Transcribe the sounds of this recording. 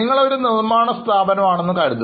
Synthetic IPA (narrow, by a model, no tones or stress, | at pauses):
iŋːɐɭo̞ɾunirmaːɳɐst̪ʰaːbɐnɐmaːɳenːukɐɻit̪ːu